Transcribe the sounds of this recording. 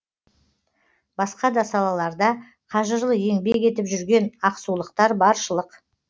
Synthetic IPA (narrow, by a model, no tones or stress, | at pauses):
bɑsqɑd̪ɑsɑlˠɑlˠɑɾd̪ɑ | qʰɑʒəɾlˠəje̞ŋbekʲe̞t̪ɪpʒʏɾɡʲe̞nɑqsulˠəqt̪ɑɾbɑɾʃəlˠəq